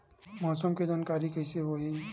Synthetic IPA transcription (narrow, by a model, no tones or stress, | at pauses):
mɔsɔmked͡ʒankaɾikajseboɦi